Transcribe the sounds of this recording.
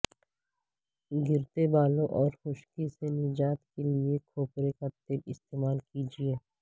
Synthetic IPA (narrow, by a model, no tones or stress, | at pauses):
ɡɪɾt̪ebaːlõʔɔːɾxʊʃkisenɪd͡ʒaːt̪keliekʰoːpɾekat̪ɪlɪst̪eːmaːlkid͡ʒieː